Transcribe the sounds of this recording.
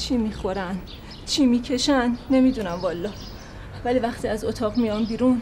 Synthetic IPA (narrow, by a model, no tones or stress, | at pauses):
t͡ʃʰiːmiːxo̞ɾæn | t͡ʃʰiːmiːcʰe̞ʃænːe̞mid̪unæmvɒːlːɒː | væliːvæχt̪ʰiːæzot̪ʰɒːɣmijɒːmbiːɾun